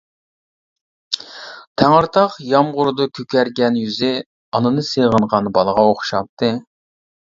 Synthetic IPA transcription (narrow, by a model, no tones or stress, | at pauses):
t̪ʰæŋɨɾt̪ʰɑqjɑmʁʊɾd̪ʊkʲʰøkʲæɾɡʲɛnjyzɪ | ɑnɨnɨseʁənʁɑnbɑlˠəʁɑoχʃɑp̚t̪ʰɨ